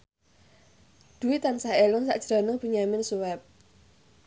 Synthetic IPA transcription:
d̪̥ṳit̪ansaelɔŋsa̰ʔd̥ʒ̥ɾa̤nəŋb̥i̤ɲamɪnsuwɛp̚

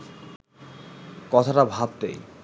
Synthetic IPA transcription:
kɔt̪ʰaʈabʱab̚t̪ḛj

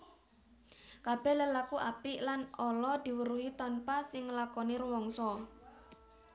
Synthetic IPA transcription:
kab̥ɛhləlakuʔapɪʔlanɔlɔd̪̥i̤wəɾuɦit̪ɔnpasɪŋːəlakɔniɾuwɔŋsɔ

